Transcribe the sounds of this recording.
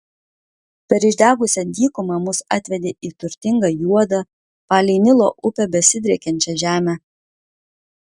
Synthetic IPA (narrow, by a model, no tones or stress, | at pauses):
pʲɛɾɪʒʲd̪ʲæːɡʊsʲɛd̪ʲiːkʊmɑmʊsɑt̪ʲʋʲɛd̪ʲeːʔiːt̪ʊɾʲt̪ʲɪŋɡɐjuɔd̪ɐ | pɑːlʲɛɪnʲɪlˠoːʔʊpʲɛbʲɛsʲɪd̪ʲɾʲɛkʲɛnʲt͡ʃʲɛʒʲæːmʲæ